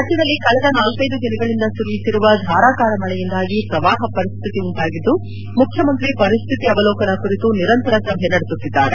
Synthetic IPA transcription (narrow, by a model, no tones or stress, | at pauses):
sɐt͡ʃid̪ɐlːikɐɭɛd̪ɐnaːlkɐjd̪ud̪inɐɡɐɭind̪ɐsuɾujit̪ːiɾuʋɐd̪ʱaːɾaːkaːɾɐmɐɭɛjind̪aːɡipɾɐʋaːɦɐpɐɾist̪ʰit̪iuɳʈ̪aːɡid̪ːu | mukʰjɐmɐnt̪ɾipɐɾist̪ʰit̪iɐʋɐlɔːkɐnɐkuɾit̪uniɾɐnt̪ɐɾɐsɐbʱjɛnɐɽesut̪ːid̪ːaːɾe